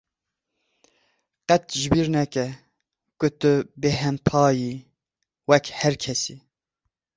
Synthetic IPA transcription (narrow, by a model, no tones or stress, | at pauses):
qɛt̪̚ʒɪbiɾnɛkɛ | kʊt̪ɨbeɦɛmpʰɑːji | wɛkhɛɾkʰɛsi